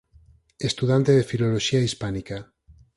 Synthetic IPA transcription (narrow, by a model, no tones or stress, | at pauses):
est̪uðant̪eðefiloloʃiaispanika